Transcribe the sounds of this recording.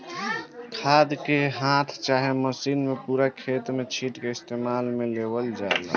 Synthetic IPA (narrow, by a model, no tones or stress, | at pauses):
kʰad̪keɦãt̪ʰt͡ʃaɦeməsiːnmepuɾakʰet̪met͡ʃʰiʈkeɪst̪eːmaːlmelebəld͡ʒaḛlə̰